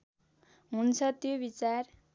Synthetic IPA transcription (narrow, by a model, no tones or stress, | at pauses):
ɦunt͡sʰʌt̪jobit͡sar